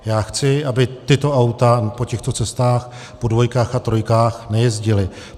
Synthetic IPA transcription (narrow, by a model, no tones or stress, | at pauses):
jaːxt͡sɪʔabɪt̪ɪt̪o̞ʔawt̪apo̞cɛxt̪o̞t͡sɛst̪aːx | po̞dvo̞jkaːxat̪ɾo̞jkaːxnɛjɛzɟɪlɪ